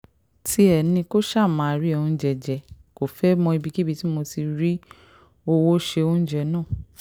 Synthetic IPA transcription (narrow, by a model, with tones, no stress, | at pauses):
ti˧˦ɛ˨nĩ˧ko˦ʃa˦˨mã˨˦a˧ɾi˦o˧ũ˧˦d͡ʒɛ˨d͡ʒɛ˨˧ | ko˨fɛ˨˦mɔ̃˧i˧bi˧ki˦bi˧ti˦mo˧ti˧ɾi˦ | o˧wo˦ʃe˧o˧ũ˦d͡ʒɛ˧˨nã˦˨